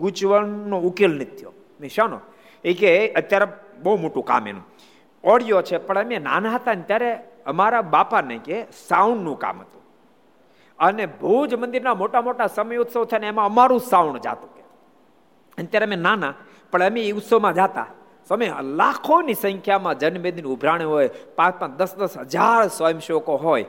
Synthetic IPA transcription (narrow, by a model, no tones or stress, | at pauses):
ɡut͡ʃʋəɳnoukelnit̪ʰjo̰ | mẽʃañõ̰ | ekeʔət̪jaɾe | bəɦumoʈũka̰mḛnṵ̃ | ɔɽjot͡ʃʰepəɳəmena̰nãɦət̪aənt̪jaɾe | əmaɾabapanəikesaunːũka̰mɦət̪ũ | ənebəud͡ʒmə̃nd̪iɾnamoʈamoʈasəməjut̪sət̪ʰaneemãəmaɾũsawɳd͡ʒa̰t̪ũke | ənet̪jaɾeəmenana | pəɳəmeiut̪somãd͡ʒat̪a̰ | soəmelakʰonisə̃ŋkʰjamãd͡ʒənbed̪inʊbʱɾaɽ̃eɦojpãt͡ʃmãd̪əsd̪əsɦəd͡ʒaɾsojəmʃokoɦoj